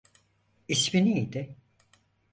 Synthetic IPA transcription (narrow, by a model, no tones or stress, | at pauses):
iʃbiniid̪ɪ